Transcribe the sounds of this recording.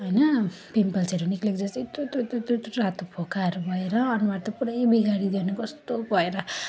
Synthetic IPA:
ɦʌjnʌ | pimpʌlt͡seɾuniklekd͡zʌst̪ːt̪ot̪ot̪ot̪ot̪rat̪opʰokaɾubʱʌeɾʌːnuwart̪ʌpuɽʌjbiɡaɽid̪enʌkʌst̪obʱʌeɾʌ

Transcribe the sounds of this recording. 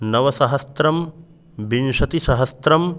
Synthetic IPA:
nɐʋɐsɐɦɐst̪ɾɐm | binʃɐt̪isɐɦɐst̪ɾɐm

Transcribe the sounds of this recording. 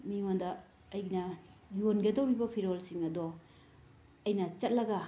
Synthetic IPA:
miŋondɐː | jnɐjonɡɐdɐwɾibɐpʰiɾolsiŋɐdɔ | ɐjnɐt͡ʃɐt̚lɐɡɐ

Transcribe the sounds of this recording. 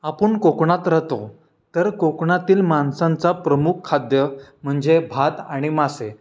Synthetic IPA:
apəɳkokɳat̪ɾəɦt̪o | t̪əɾkokɳat̪iːlmansãnt͡sapɾəmukʰːad̪jəm̤əɳd͡zebʱat̪aɽ̃imase

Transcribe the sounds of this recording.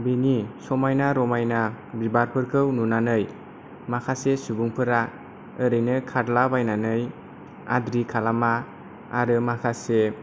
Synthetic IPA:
binisɔmajnaɾɔmajnabibaɾpʰɯɾkʰɯwnunanɯj | makʰasesubuŋpʰɯɾa | ɯɾɯjnɯkʰadlabajnanɯj | a̰dɾikʰalama | a̰ɾɯmakʰase

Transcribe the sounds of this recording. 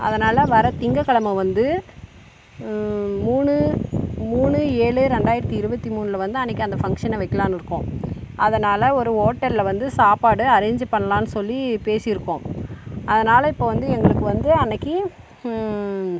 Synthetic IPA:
ɐ̰ðɐnaːlɐʋɐɾɐt̪ɪŋɡɐkːɐɭɐmɐʋɐnd̪ɯ | muːɳɯmuːɳɯeːɭɯɾɛɳɖaːjɪɾɐt̪ːiɪɾɯbɐt̪ːimuːɳɯlɐʋɐnd̪ɯɐnːɐkːɯɐnd̪ɐfɐŋkʂɐnɐʋɐɪkːɐlaːnɪɾɯkːʊ̃ʔɐðɐnaːlɐɔɾɯoːʈːɐɾlʋɐnd̪ɯsaːpaːɽɯɐɾeːɲd͡ʒpɐɳːɐlãːnːɯsɔlːipeːsɪɪɾɯkːʊ̃ɐðɐnaːlɐɪpːoːʋɐnd̪ɯɛŋɡɐɭɯkːɯʋɐnd̪ɯɐnːɐkːɯ

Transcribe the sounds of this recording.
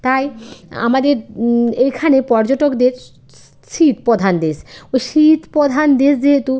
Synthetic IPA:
t̪aja̰mad̪eɾejkʰanepɔɾd͡ʑoʈokd̪eɾ | ʃit̪pod̪ʱand̪esojʃit̪pod̪ʱand̪esd͡ʑeɦet̪u

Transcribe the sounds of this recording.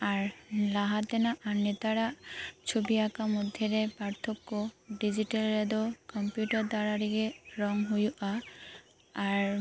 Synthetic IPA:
aɹlaɦat̪ɛnaʔaɹnɛt̪aɾat͡ʃʰubiakamɔd̪ʱːjɔɾɛpaɹt̪ʰɔkːɔɖid͡ʒiʈɛlːɛd̪ɔkɔmpjuʈaɹd̪aɹaɾiɡɛɹɔŋɦujuʔaː | ɹ

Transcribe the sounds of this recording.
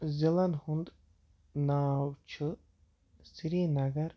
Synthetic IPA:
zelanhund̪ | naːwt͡ʃʰɨ | siɾiːnaɡaɾ

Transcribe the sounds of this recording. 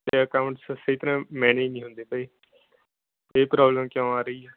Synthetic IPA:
t̪eːəkaːʊ̃ɳʈssəiːt̪əɾãːmɛ̃ːneːnĩːɦʊ̃nd̪eːpaiː | eːpɾaːbləmkjõːaːɾəiːɛː

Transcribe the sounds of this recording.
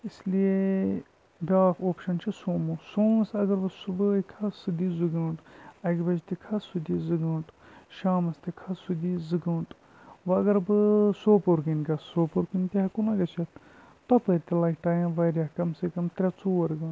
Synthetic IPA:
islije | bʲaːfoːpʃɐnt͡ʃʰisoːmusoːmɐsɐɡɐɾbɨsubɨkʰɐsɨd̪izɨɡɐ̃ːʈɐkʲbɐd͡ʒt̪ikʰɐsud̪izɨɡɐ̃ːʈ | ʃaːmɐst̪ikʰɐsud̪iːzɨɡɐ̃ːɳʈ | ʋɐɐɡɐɾbɨsoːpoɾɡinɡɐsːoːpoɾkɨnʲt̪ʲeɐkunɐɡɐt͡ʃʰɐt̪ | t̪ɐp̪ɐɾʲt̪ilɐːkʲʈ̪aːjãːʋɐɾʲakɐmsekɐmt̪ɾʲɐt͡suːɐɾɡɐ̃ːn

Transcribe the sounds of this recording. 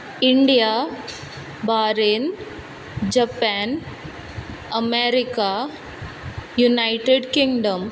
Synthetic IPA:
ɪɳɖijaː | baːɾen | d͡ʒɐpaːn | ɐmeɾɪka | junaɪʈeɖkɪŋɡɖɐm

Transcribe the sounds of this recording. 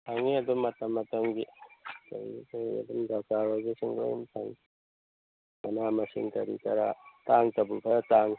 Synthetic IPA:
tʰaŋiɐdumːɐtɐmːɐtɐmɡitɐ̰ɾḭɡitʰaŋḭɐ̰dumdataɾozisiŋɡo̰jṵmtʰaŋ | mɐnamɐsḭŋtɐɾḭkɐɾataŋtɐbukʰɐɾtaŋ

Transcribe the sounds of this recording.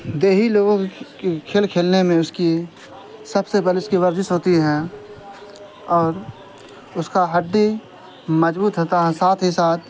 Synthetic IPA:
d̪eːɦiloːɡõekʰeːlkʰeːlnemẽʊski | sɐbsebɐliʊskiʋɐɾd͡ʒɪsɦoːt̪iɦɛ̃ | ɔːɾ | ʊskaɦɐɖːi | mɐd͡ʒbuːt̪ɦoːt̪aɦɛsaːt̪ʰɦɪsaːt̪

